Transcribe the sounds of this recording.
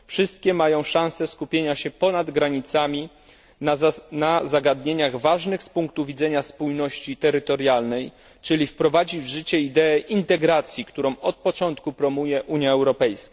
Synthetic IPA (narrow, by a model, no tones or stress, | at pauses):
fʂɘst̪̚kʲɛmajɔ̃w̃ʂãw̃sɛskupʲjeɲaɕɛpɔnad̪ɡɾaɲit̪samʲi | nazaɡad̪ɲeɲaɣvaʐnɘxspuŋkt̪uvʲid̪zɛɲaspujnɔɕt͡ɕit̪ɛɾɘt̪ɔɾjalnɛj | t͡ʂɘlʲifpɾɔvad͡ʑivʐɘt͡ɕɛid̪ɛːʔint̪ɛɡɾat̪sʲjikt̪uɾɔ̃w̃ɔt̪̚pɔt͡ʂɔnt̪kupɾɔmujɛʔuɲjaɛwɾɔpɛjska